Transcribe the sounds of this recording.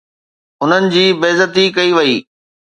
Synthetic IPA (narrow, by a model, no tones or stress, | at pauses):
ʊn̤ənɪ̆d͡ʑiːbeːzət̪ikɐiʋɐiː